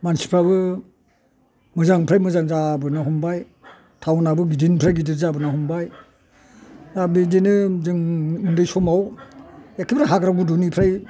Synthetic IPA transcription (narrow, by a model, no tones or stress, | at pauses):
mansi̥pʰabɯ | mɯzaŋpʰɾajmɯzaŋzabɯnaɦɔmbaj | tʰawnabɯɡidinpʰɾajɡidiɾzabɯnaɦɔmbaj | abidinɯzɯŋɯndɯjsɔmaw | ekʰibʰɾaɦaɡɾabudunipʰɾaj